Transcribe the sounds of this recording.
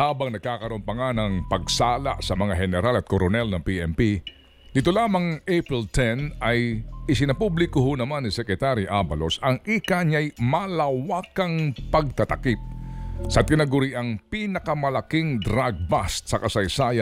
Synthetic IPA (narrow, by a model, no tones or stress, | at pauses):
haːbɐŋnɐɡ̚kaːkɐɾʊmpɐŋanɐŋpɐɡsaːla̰ʔsɐmɐŋaɦɛnɛɾalɐt̪̚koɾonɛlnɐŋpiʔɛmpi | d̪ɪt̪olaːmɐŋʔepɹɛlt̪ʰɛnɐjʔɪsɪnɐpublɪkoɦonɐmanːisɛkɾɛt̪aɾiʔabɐlo̞sɐŋʔikaɲɐjmalɐwaːkɐŋpɐɡ̚t̪ɐt̪ɐkip̚sɐt̪ɪnɐɡʊɾiʔɐŋpinɐkɐmɐlɐkiŋd̪ɾaɡ̚bast̪̚sɐkɐsɐjsaːjɐ